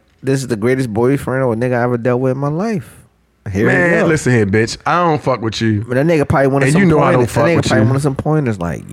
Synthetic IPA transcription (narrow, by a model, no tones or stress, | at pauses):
ðɪs̬ɨzðɨɡɹeɪɾɨsbɔɪ̥fə˞ɪ̃nəwənɛɡaɛvədɛlˠwɪɨ̃nmaɪlaɪf | ɦiɹmælɪsn̩hɪbɪt͡ʃaɪɾõʊ̃ntfʌkwɨt͡ʃʉ̃nanɛɡəpʰawʌ̃nɨ̃sñjɨnoʊaɪ̃õʊ̃nɛɡəpʰaɪwʌ̃nəs̬ʌ̃mpʰɔ̃ɪ̃nəsla̰ɪk